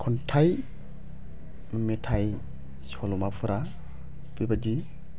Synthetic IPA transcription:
kʰɔntʰaj | mametʰaj | sɔlumapʰɯɾa | pibadi

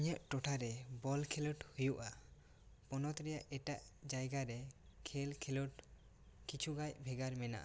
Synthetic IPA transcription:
ɲəʔʈɔʈʰaɾɛbɔlkʰɛlɔʈhujuʔa | pɔnɔt̪ɾɛjaʔʔɛʈaʔd͡ʒajɡaɾɛkʰɛlkʰɛlɔʈ | kit͡ʃʰuɡajbʱɛɡaɾmɛna̰ʔa

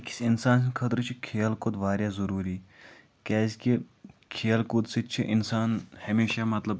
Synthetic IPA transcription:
ki̥sɪnsaːnskʰɐt̪ɾt͡ʃʰikʰeːlkʊd̪ʋaːɾjaːzɐɾuːɾiː | kɛːski | kʰeːlkʊd̪sit͡ʃʰiʔɪnsaːnhɐmeːʃamɐt̪lɐb

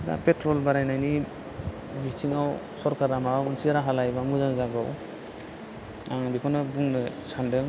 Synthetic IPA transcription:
da̰petɾɔlbaɾajnajni | bitʰiŋaw | sɔɾkʰaɾamaɯnsiaɾaɦalajbamuzaŋzaɡɔ̰w | aŋbikʰɔnɯbuŋnɯsandɯŋ

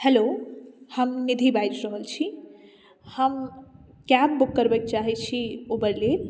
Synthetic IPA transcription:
helohəmnid̪ʱibajd͡ʒɾəɦəlt͡ʃʰi | həm | kab̚ːukːəɾbɛk̚t͡ʃaɦɛt͡ʃʰiobəɾlel

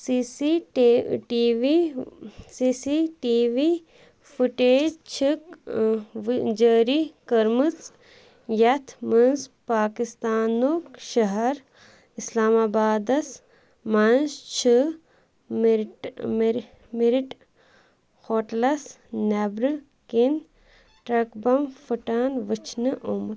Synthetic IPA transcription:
sisi | ʈiʋi | siːsiʈiːʋi | fuʈeːd͡ʒt͡ʃʰik | d͡ʒəːɾikɐɾmɨt͡s | jɐt̪ʰmɐnspaːkist̪aːnokʃɐɦɐɾ | islaːmaːbaːd̪ɐs | mɐnst͡ʃʰɨ | mʈm | miɾiʈ | xoːʈlɐs | nebɾɨ | kin | ʈɾɐkbɐmfuʈaːnʋɨt͡ʃʰnɨʔumɐ

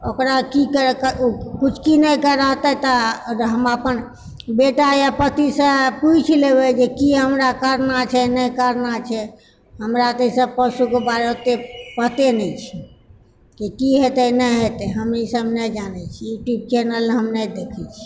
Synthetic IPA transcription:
okɾakikəɾkəkut͡ʃʰkinəjkəɾəɦt̪ɛt̪ɔɦəmapən | beʈajapət̪isə̃put͡ʃʰlebɛd͡ʒekiɦəmɾakəɾnat͡ʃʰɛnɛjkəɾnat͡ʃʰɛ | ɦəmɾat̪əsə̃b̚pəsukebaɾeot̪epət̪enɛt͡ʃʰi̥ | kikiɦet̪ɛnəjɦet̪ɛɦəmnisəbnɛd͡ʒanɛt͡ʃʰiːʈip̚t͡ʃɛnəlɦəmnɛd̪ekʰɛt͡ʃʰi̥

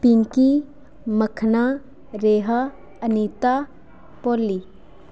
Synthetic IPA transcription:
piŋki | mɐkʰna | ɾeːɦa | ɐniːt̪aː | poːli

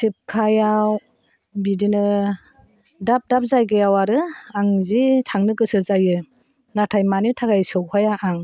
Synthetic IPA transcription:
sʰip̚kʰajaw | bidinɯ | dap̚dap̚zajɡɯjawaɾɯaŋzitʰaŋnɯɡɯsɯzajɯ | natʰajmanitʰaɡajsɯwhajaʔaŋ

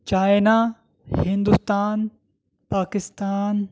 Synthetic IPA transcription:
t͡ʃaːjna | hɪ̃nd̪ust̪aːn | paːkɪst̪aːn

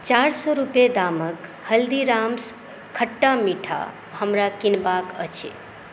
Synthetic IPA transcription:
t͡ʃaɾsɔɾuped̪amək | həld̪iɾams | kʰəʈːamiʈʰa̰ | həmɾakinbakə̰t͡ʃʰḛ

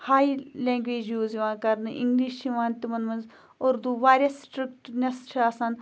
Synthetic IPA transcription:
haːilẽːŋɡʋeːd͡ʒjuːziʋãːkɐɾnɨʔḭ̃ŋɡliʃt͡ʃʰiʋãːnt̪imɐnmɐnz | oɾd̪uʋaːɾʲɐsʈɾikʈnɐsʃʰaːsɐn

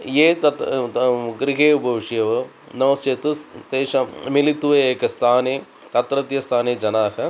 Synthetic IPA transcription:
jeːt̪ɐt̪ | ɡɾiɦeːbʱɐʋiʂjɐʋɐ | nɐʋɐst͡ʃet̪ut̪eːʃɐmilit̪uʋɐeːkɐst̪ʰaːneː | t̪ɐt̪ɾɐt̪jɐst̪ʰaːneːd͡ʒɐnaːkɐ

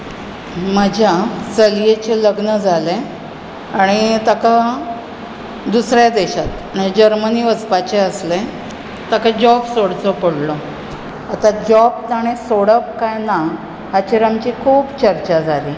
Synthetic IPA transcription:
məd͡ʑʱjasəljet͡ɕeləɡnəd͡zʱale | aɽ̃it̪aka | d̪usɾjad̪eɕat̪ | nad͡ʑəɾməniːʋəd͡zpat͡ɕeəsle | t̪akad͡ʑɔbsoɽt͡sɔpəɽlɔ | at̪ad͡ʑɔb̚t̪aɽ̃esoɽəp̚kajna | ɦat͡ɕiɾamt͡ɕikʰuːbt͡ɕəɾt͡ɕad͡zʱali

